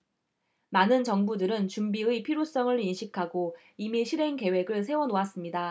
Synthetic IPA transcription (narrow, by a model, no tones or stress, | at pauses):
manɯnt͡ɕʌŋbudɯɾɯnt͡ɕumbiɯipʰiɾos͈ʌŋɯɭinɕʰikʰaɡo | imiɕʰiɾe̞ŋke̞we̞ɡɯɭsʰe̞wʌnoas͈ɯmɲida